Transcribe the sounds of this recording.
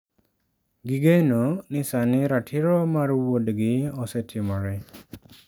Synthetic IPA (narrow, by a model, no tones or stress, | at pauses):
ɡiɡajnɔnisaniɾatʰiɾɔmaɾuwɔdeɡiɔsetʰimaɹɛ